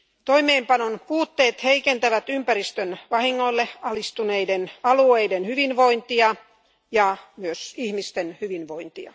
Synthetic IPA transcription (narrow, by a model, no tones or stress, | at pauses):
t̪oimeːmpɑnonpuːt̪ːeːt̪heikent̪æʋæt̪ympærist̪ønʋɑhiŋːolːeɑlist̪uneidenɑlueidenhyʋinʋoint̪iɑ | jɑmyøsihmist̪enhyʋinʋoint̪iɑ̰